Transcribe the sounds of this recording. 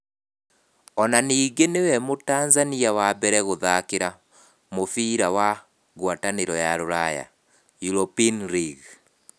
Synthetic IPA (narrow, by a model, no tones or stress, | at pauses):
ɔnaniːɡenewɛmotaːnzaniawabɛɾɛɣoðakeɾa | mofiːɾawa | ɣwataneɾɔjaɾoɾaja̰ | juɾopinɾiɣ